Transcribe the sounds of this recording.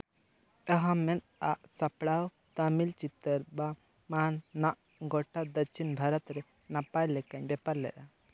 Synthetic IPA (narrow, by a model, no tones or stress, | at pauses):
əɦamɛnt̪aʔsapɽaw | t̪əmilt͡ʃit̪əɾba | manːaʔ | ɡɔʈad̪əɾt͡ʃʰinbʱaɾət̪ɾɛ | napajlɛkaɲbɛpaɾlɛ̰ʔ̪a